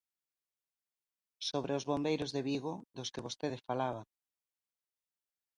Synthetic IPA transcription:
soβɾʔeʊzβombejɾʊzðɪβiɣoðʊskɪβost̪eðɪfalaβa

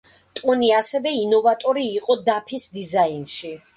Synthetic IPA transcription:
t̪ʼuniasɛvɛinɔvat̪ʼɔɾiːqʼɔd̪apʰisd̪izainʃi

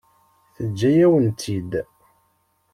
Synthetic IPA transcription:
θəd͡ʒːæjæwənt̪ʰid̪

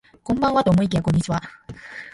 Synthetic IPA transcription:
kõ̞mbãɰ̃βat̪oːmo̞ik̬ʲejakõ̞ɲ̟ːit͡ɕiβa

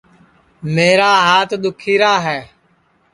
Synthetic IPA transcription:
meːɾaːɦaːt̪ʰd̪ʊkʰiːɾaːɦɛː

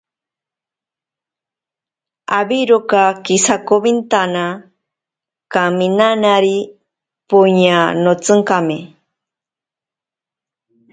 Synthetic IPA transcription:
abiɾokakisakoβint̪ana | kaminanaɾi | puɲanot͡sɨŋkame

